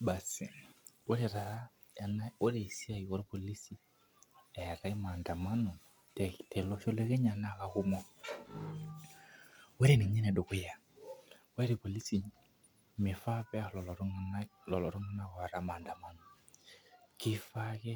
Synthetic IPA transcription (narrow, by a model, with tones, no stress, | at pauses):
ba˨si˨o˦ɾɛ˨ɾa˨ɾa˦˨ | na˦o˦ɾe˨si˦a˨i˨ɣɔ˦ɾpo˨li˦si˦ | ɛ˨ɾa˦i˦ma˨nda˨ma˦nɔ˨ | tɛ˨tʰɛ˨lɔ˨ʃɔ˦lɛ˦ɣɛ˦ɲa˨na˨ka˦ɣu˦mɔ˦ | wɛ˦ɾɛ˦˨ni˨ɲɛ˦nɛ˨do˨ko˦ja˨ | wɛ˦ɾi˨po˨li˦si˨ | mɪ˨fa˦pɛ˦a˨lɔ˨lɔ˨ɾŋn˦lɔ˨lɔ˨ɾu˦ŋa˦na˦ɣa˨ɾa˦ma˨nda˨ma˦nɔ˨ | kɪ˦fa˦ɣɛ˦